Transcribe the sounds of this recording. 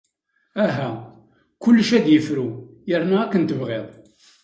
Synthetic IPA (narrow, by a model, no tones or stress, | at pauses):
æɦæ | kʊlːʃæd̪jəfɾujəɾnæækːənt̪əvʁeðˤ